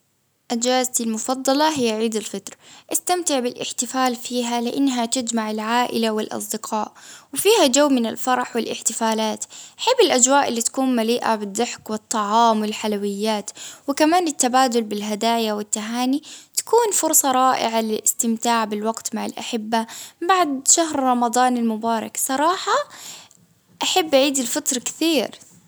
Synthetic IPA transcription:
ʔad͡ʒaːzt̪almʊfɑd̪ˤːɑlɑɦɪjːaʕiːd̪alfɪt̪ɾʔast̪amt̪ɪʕbɪlʔɪ̰ħt̪ɪfaːlfiːɦalɪʔanːɦat̪ɪd͡ʒmaʕɪlʕaːʔɪlawɪlʔɑ̰sˤd̪ɪqʰɑːʔwɪfiːhad͡ʒawːmɪnɪ̰lfɑɾˤɑħwɪlʔɪ̰ħt̪ɪfaːlaːt̪ʔaħɪbːɪlʔad͡ʒwaːʔɪlːit̪ḁkuːnmaliːʔa̰bɪd̪ːɪħkwɪt̪ˤːɑʕɑːmwɪlħalawɪjːaːt̪wɪkamaːnɪt̪ːabaːd̪ʊlbɪlɦad̪aːjawɪt̪ːaɦaːnit̪ḁkuːnfʊɾˤsˤɑɾˤɑːʔɪ̰ʕalɪlʔɪst̪ɪmt̪aːʕbɪlwɑɡt̪maʕɪ̰lʔa̰ħɪbːabaʕd̪ʃaɦɾɾˤɑmɑd̪ˤɑːnalmʊbɑːɾˤɑ̰ksˤɑɾˤɑːħɑ | ʔaħabːʔaʕiːd̪ɪlfɑt̪ɾˤkɪ̥t̪iːɾ

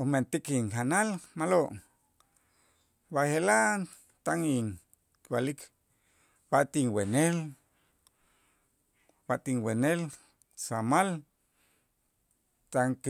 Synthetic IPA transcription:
oment̪ikiŋhanalmaloʔ | bahelan | t̪aŋiŋ | kwalik | baʔt̪iŋwenel | baʔt̪iŋwenel | samal | t̪aŋk

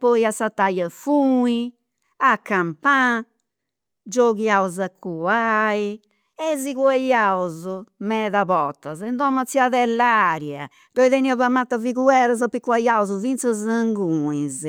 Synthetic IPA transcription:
pɔiasat̪ːajafui | akːampã | d͡ʒɔɣjaɔzakʰːuai | ɛziɣwajaɔzɔmɛðaβɔt̪ːazɛnd̪ɔmːat̪siaðɛlːaɾja | d̪̥ɔiðeniːɔβamːat̪ːaviɣuɛɾazapikːwajaɔzɔvint̪sazaŋɡuĩz

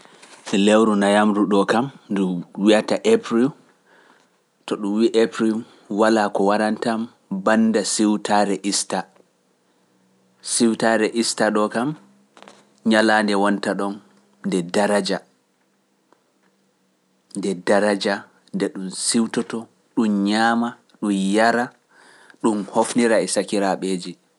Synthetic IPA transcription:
ɛlewɾunajamɾuɗɔkamduwiataʔepɾil | tɔɗumwiʔepɾil | walakɔwaɾantam | bandasiwtʰaɾɛʔista | siwtaɾɛʔistaɗɔkam | ɲalandɛwantaɗɔnː | dɛdaɾad͡ʒa | ndɛdaɾad͡ʒa | ndɛɗunsiwtɔtɔ | ɗumɲaːma | ɗumjaɾa | ɗumhofniɾaɛsakiɾaɓeːd͡ʒi

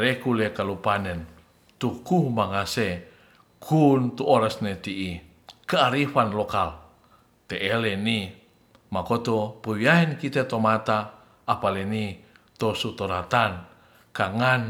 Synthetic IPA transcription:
rekulekalupanən | t̪ukuhmaŋase | kʰunt̪uoɾasnet̪iʔi | kəaɾifanlokal | t̪eʔːleni | makot̪opəwiaenkit̪et̪omat̪aː | paleni | t̪osut̪oɾat̪an | kaŋan

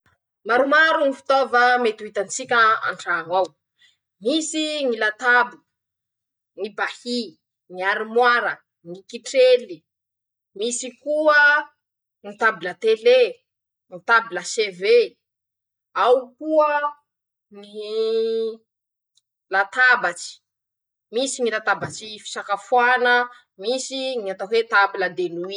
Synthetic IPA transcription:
maɾumaɾunifi̥t̪ovəmet̪uit̪ant͡sikʲəa̰ɳɖ͡ʐaːŋaw | misiŋilat̪abu | ŋibahi | ŋiaɾimwaɾə | ŋikiʈ͡ʂeli | misikuə | ŋit̪abilət̪ele | nit̪abiləseve | awkuə | ni | lat̪abat͡ʃi̥ | misinilat̪abat͡ʃifi̥sakafwanə | misiniat̪aɦwet̪abiləd̪enui

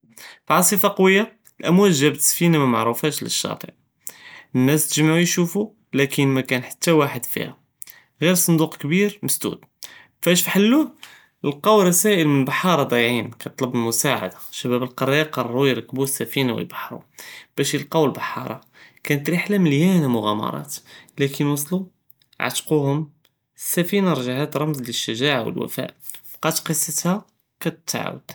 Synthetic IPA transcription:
fʕɑsˤifɑqɑwəjːa | lʔæmwælʒæbt̪sfinamæmaʕɾufæʃlə̰ʃːɑ̰t̪ˤə̰ʕ | ənːæst̪əʒmʕujʃufu | lækənmækænħḁt̪ːæwaħəd̪fḭhæ̰ | ɣiɾsˤənd̪uqkbiɾməsd̪ṵd̪ | fæʃfiħəlːu | əlqɑwɾˤɑsæʔəlmənəlbɑħɑɾˤɑd̪ˤɑjʕinkæjt̪ˤləbəlmʊsaʕa̰d̪aʃæbæbəlqɑɾˤjɑqɑrˤːujɾəkbusːæfinawə̰lbɑħɾˤṵb̥æʃjəlqɑwəlbɑħɑ̰ɾˤɑ̰ | kænət̪ɾiħlæməljænamʊɣæmɑ̰ɾˤɑ̰t̪lækʰənwəsˤlu | ʕa̰t̪quhʊm | sːæfinaɾˤʒahat̪ɾˤɑmzləʃːəʒaʕawə̰lwæ̰fæ̰ʔ | qɑt̪qəsˤːət̪hæ | kæt̪t̪ːʕ̰wə̰d̪̥

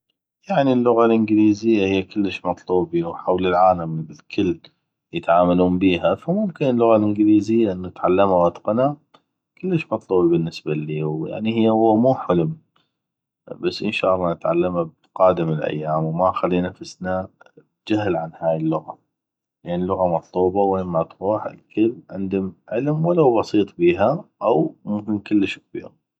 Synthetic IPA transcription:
jaʕnilːʊɣalʔɪnɡliːzɪjːahɪjːakɪlːəʃmɑt̪ˤluːbiwħawlɪlʕaːlambɪlkʰʊlː | jət̪ʕaːmaluːmbiːɦafamʊmkɪnəlːʊɣalʔɪnɡliːzɪjːaʔɪnːat̪ʕalːamawɑt̪qna | kɪlːəʃmɑt̪ˤluːbibɪnːəsbaliːwja̰ʕnihɪjːʊwːamuːħʊlʊm | basːʔɪnʃaʔlˤːɑnɪt̪ʕalːamab | qaːd̪ɪmɪlʔa̰jːaːmwmaxalːiːnafɪsnabd͡ʒaɦlʕanhaːjəlːʊɣa̰ | lʔanilːʊɣamɑt̪ˤluːbɑweːnmat̪ɾuːħɪ̰lkʰɪbʕɪnd̪ʊmʕɪlmwalawbɑsiːt̪ˤbiːɦaʔawmʊmkɪnkʊlːəʃk̚bḭːɾ

